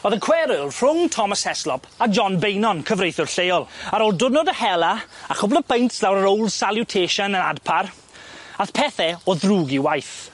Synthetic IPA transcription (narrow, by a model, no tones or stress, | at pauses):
oːðənkʰw̥ɛɾɪlˠr̥ʊŋtʰɔmasɛslɔpʰad͡ʒɔnbejnɔnkʰəvrejθʊrɬejɔlˠaɾolˠdʊnɔdəhɛlˠaaχʊblˠɔpʰejntslawɾəɾowlˠsaljʊtʰeːʃanəna̰dpʰaɾ | aθpʰɛθɛɔðruːɡiwajθ